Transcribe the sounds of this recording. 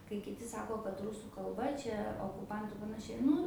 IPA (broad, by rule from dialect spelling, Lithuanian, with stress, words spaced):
kɐɪ kʲɪˈtʲɪ ˈsɑːkoː kɐt ˈrʊsuː kɐlˠˈbɐ ˈt͡ʃʲɛ oːkʊˈpɐntʊ ɪr pɐnɐˈʃʲɛɪ ˈnʊ